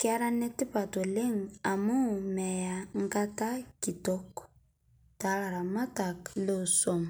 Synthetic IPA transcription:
kɪ˦a˦ɾa˦ne˦ti˦pa˨to˨le˦ŋ˨a˨mo˦˨mɛ˨ja˨ŋ̩˦ɡa˦ta˦ki˨tɔ˦k | ta˨˦la˨ɾa˨ma˦ta˨klo˦˨sɔ˦˨m˨

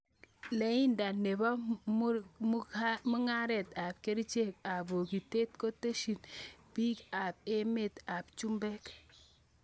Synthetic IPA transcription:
le˦ji˦nda˨nːe˨ba˦m˦m˦mu˦ŋa˦ɾe˨ta˨b̚ke˦ɾi˦t͡ʃe˦k̚a˨bo˨ɡi˨te˦tko˦te˦ʃi˨nb̥i˦ka˨b̚e˦me˦˨ta˨bt͡ʃu˦mbe˦k

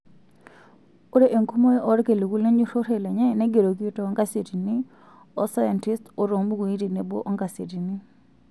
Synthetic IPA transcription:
u˦ɾe˦ʔe˨ŋku˦mo˦jɔ˦ʔɔ˦ɾke˨li˨ku˦le˦ɲd͡ʒi˦ɾo˦ɾe˦˨lɛ˨ɲɛ˦nɛ˦ɡe˨ɾo˨k̬i˦tɔ˨˦ŋɡa˦se˨ti˨ni˦ | ɔ˦sa˦ja˨nti˦sto˨ɾo˨mbu˦ku˨i˦te˨ne˨bo̰˦ʔɔ˦ŋɡa˨se˨ti˨ni˦

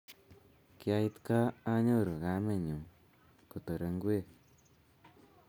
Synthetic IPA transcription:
kja˧ji˧t̪kaː˦ɲo˦˨ɾu˨ɣa˧˦me˦˨ɲu˨ | ku˨t̪ə˨ɾə˧ŋɡwe˦˨

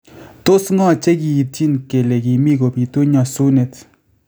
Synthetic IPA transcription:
t̪o˨sŋa˨t͡ɕa˥˨ɡi˨ji˨t͡ɕi˥nke˨le˨ɡi˨miɡo˩˨pi˨t̪o˥ɲa˨sune˨t͡s̪

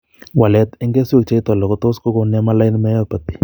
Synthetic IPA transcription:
wa˨lɛ˨˦t̪ɪ˦ŋɡe˦so˦k̚t͡ʃe˦i˦t̪ɔ˨lɔ˨ko˦to˦sko˦ko˨nɛ˦ma˦la˦ɪ˦nmɛ˦jɔ˦pa˨t̪i̥˦

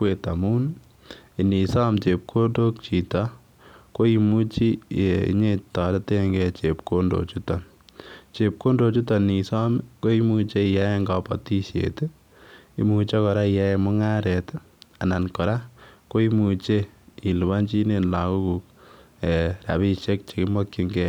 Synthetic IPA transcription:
we˨ta˨mu˦n | i˨ni˨sɔ˦mt͡ʃe˨p̚kʰo˦ndo˦k̚t͡ʃi˨tɔ˦ | ko˦i˦mu˦t͡ʃi˦ḭ˦ɲe˦tɔ˨da˦te˦ŋɡet͡ʃepko˦ndo̰˨t͡ʃu˦tɔ˨n | t͡ʃep̚ko˦ndo˨t͡ʃu˦tɔ˨ni˨sɔ˦mko˦i˦mu˧t͡ʃe˦ija˦je˦ŋɡɔ˨pɔ̰˨ti˦ʃjḛ˨te˦ | ḭ˨muːt͡ʃɔ˦kɔ˨ɾa˦ija˦jemɔ˦ŋa˦ɾe˨t | a˨na˨nkɔ˨ɾa˦ko˦i˦mu˨t͡ʃe˦i˨lu˨wa˦nt͡ʃi˦ne˨nla˨ku˦ku˨ | e˨ɾa̰˨βi˧t͡ʃe˦k̚t͡ʃe˨kɪ˦mɔ˦kji˦ŋɡɛ˨

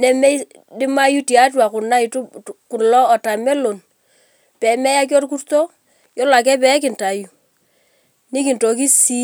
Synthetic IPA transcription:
nɛ˨mɛ˦ | dɪ˦ma˦ju˦ti˨a˨˦t̬wa˨ku˨na˦jtu˦ku˨ɾlɔ˦ɔ˨ta˨mɛ˦lo˨n | pɛ˨mɛ˦ja˦k̬o˦ɾk̬u˦rto˦ | jɔ˦la˨k̬ɛ˦pɛ˨˦k̬ɪ˨nta˨ju˨ | ni˦ki˨nto˨k̬i˦si˦

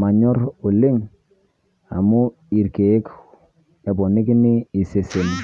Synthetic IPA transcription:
ma˨ɲɔ˦ɾʊ˨lɪ˦ŋ | a̰˨mu˦ | i˨ɾke˨e˦k | ɛ˨bɔ˨nɪ˦kɪ˦nɪ˦i˨se˨se˨n˨

